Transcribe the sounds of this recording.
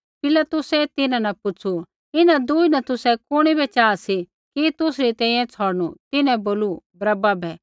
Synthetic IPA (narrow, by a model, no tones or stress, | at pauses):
pɪlat̪ʊsɛt̪ɪnãnɐpʊt͡ʃʰu | ɪnãd̪uːinɐt̪ʊsɛkʊɽ̃ibɛt͡ʃaːsi | kit̪ʊsɾit̪ɛ̃ːĩjɛ̃t͡sʰɔːɽñut̪ɪnɛ̃boːlubɾɐbabʱɛː